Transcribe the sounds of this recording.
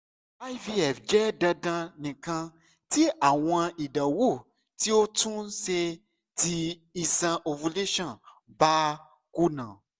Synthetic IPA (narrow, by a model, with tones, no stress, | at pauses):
a˦jvi˧ɛ˨fd͡ʒɛ˦dã˧dã˧nĩ˨kã˧ | ti˦ʔa˨w̃ɔ̃˧i˨ɖa˨wu˦˨ | ti˦o˦tũ˦n˦se˧ | ti˧i˧sã˧ʔo˧vu˧le˦ʃɔ̃˦˨ba˦ | ku˦nã̰˨